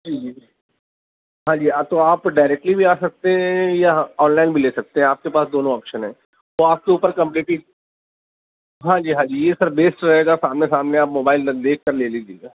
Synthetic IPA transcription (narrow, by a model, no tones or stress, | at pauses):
d͡ʒiːd͡ʒiː | ɦãːd͡ʒiːat̪oaːpɖaːɪɾɛːk̚ʈlibʱiaːsɐk̚t̪eɦɛ̃jaɦɔːnlaːɪnbʱileːsɐk̚t̪eɦɛ̃aːp̚kepaːsd̪oːnõɔːpʃənɦɛ̰̃ː | ʋoaːp̚keuːpəɾkɐ̃mpliːʈi | ɦãːd͡ʒiːɦãːd͡ʒiːjesɐɾbeːsʈɾɐɦeːɡasaːmnesaːmneaːpmoːbaːɪld̪eːkʰkːəɾleːliːd͡ʒḛːɡaː